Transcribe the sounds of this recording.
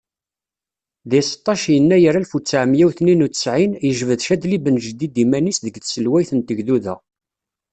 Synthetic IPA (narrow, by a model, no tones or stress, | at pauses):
ðisə̥t̪ˤːɑʃjənːæjəɾælfut͡sːaʕəmjæwθninut͡sə̥sʕinjəʒvəðʃæd̪libənʒəd̪id̪imænisðəɡθsəlwæjθənt̪əɡðuðæ̰